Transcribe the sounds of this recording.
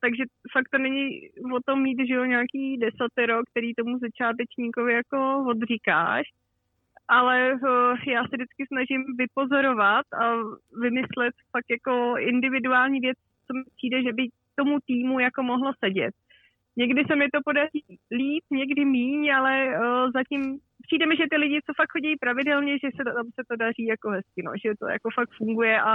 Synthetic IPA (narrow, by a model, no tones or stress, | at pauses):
t̪aɡʒɛfak̚t̪onɛɲɪvo̞t̪o̞mːiːt̪ʒɛoɲaːkiːdɛsat̪ɛɾokt̪ɛɾiːt̪o̞muzat͡ʃaːt̪̬ɛt͡ʃɲiko̞vɪjako̞vod̪r̝ɪka̰ːʃ | ʔalɛjaːsɛdɪt͡skɪsnaʒɪmvɪpo̞zo̞ɾo̞vat̪avɪmɪslɛt̪fak̚t̪jako̞ɪndɪvɪduaːlɲiːvjɛt͡s | t͡so̞mɪpiːdɛʒɛbɪ | t̪o̞mut̪iːmujako̞mo̞ɦlosɛɟɛ̰t̪̚ | ɲɛɡdɪsɛmɛt̪o̞po̞dariːliːt̪ɲɛɡdɪmiːɲalɛzacɪm | pr̥iːdɛmɪʒɛt̪ɪlɪɟɪt͡so̞fakhoɟɛjipɾavɪdɛlɲɛʒɛsɛamsɛt̪o̞dar̝iːjako̞ɦɛskɪno̰ʒɛt̪o̞̰ja̰ko̞fakfuŋɡujɛʔa